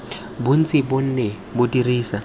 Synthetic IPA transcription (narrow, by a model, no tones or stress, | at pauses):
bʊn̩t͡sʼɪbʊn̩ːnɛ | bʊdiriːsa